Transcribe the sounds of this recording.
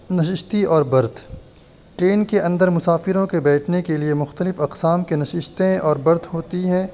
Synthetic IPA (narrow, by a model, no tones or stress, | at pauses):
nɐʃɪʃt̪iɔːɾbɐɾd̪ | ʈɾeːnkeɐ̃nd̪əɾmʊsaːfɪɾõkebɛːʈʰnekeliemʊxt̪əlɪfɐqsaːmkenɐʃɪʃt̪ẽɔːɾbɐɾd̪ɦoːt̪iɦɛ̃ː